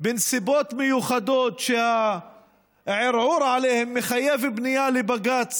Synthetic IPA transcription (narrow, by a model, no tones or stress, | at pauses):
bɪnsibot̪mejuχad̪ot̪ʃeha | ʕeɾʕuɾʕalehemːeχajevbnijalebaɡat͡s